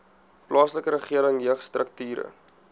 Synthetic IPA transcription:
plɑːsləkəɾəχiəɾəŋjəχstrəktyːɾə̰

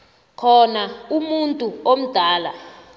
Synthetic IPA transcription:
kʰɔnaumuntʼuom̩d̥ʱaːla̰

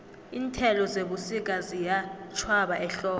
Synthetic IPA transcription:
iːntʰɛlɔzeɓusik̬ʼazijat͡ʃʰwaɓaʔɛɬɔː

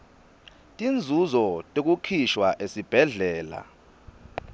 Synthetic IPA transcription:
tʼind͡zʱuzɔtʼek̬ukʰiʃwaʔesib̥ʱɛɮɛːla̰

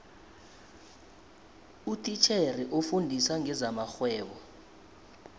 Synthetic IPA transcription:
utʰʼit͡ʃʰeriʔofundʱisaŋɛzamaxwɛːɓɔ

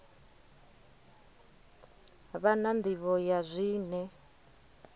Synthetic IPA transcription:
βanand̪iβɔjazʷiːnɛ

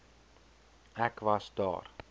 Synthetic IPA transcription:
ɛkvɐsdɑ̰ːr

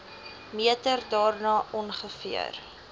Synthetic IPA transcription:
miətərdɑːrnɑːʔɔnχəfḭə̰r

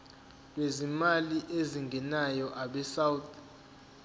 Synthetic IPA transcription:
lwezimaliʔeziŋɡʱɛnajɔʔaɓɛsawt̪ʰ

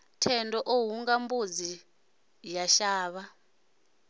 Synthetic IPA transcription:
tʰɛndɔʔoɦuŋɡambud͡zi | jaʃaːβa

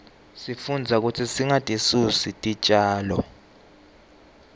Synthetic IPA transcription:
sifund͡zʱak̬utʰisiŋatʼisusitʼit͡ʃʼaːlɔ

